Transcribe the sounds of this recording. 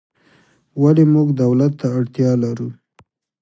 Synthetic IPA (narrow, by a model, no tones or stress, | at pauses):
walimuɡd̪awlat̪ːaːɽt̪jɑlaɾu